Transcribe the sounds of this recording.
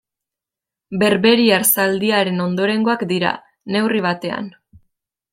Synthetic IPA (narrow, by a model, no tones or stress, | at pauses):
be̞ɾβe̞ɾiaɾsald̪iaɾe̞no̞nd̪o̞ɾe̞ŋɡo̞akd̪iɾa̰ | ne̞wriβ̞at̪e̞a̰n